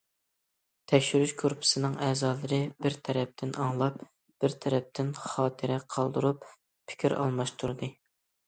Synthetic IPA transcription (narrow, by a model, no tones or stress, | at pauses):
t̪ʰɛkʲʃyɾyʃkʰoɾpʰɨ̥sɨnɨŋɛːzɑːlˠɨɾɨbɪɾt̪ʰɛɾɛp̚t̪ʰɪnɑŋlˠɑp | b̥ɪɾt̪ʰɛɾɛp̚t̪ʰɪnχɑːt̪ʰɨɾɪqʰɑlˠd̪ɨɾup | pʰɪ̥kʲiɾɑ̰lˠmɑʃt̪ʰuɾd̪ɨ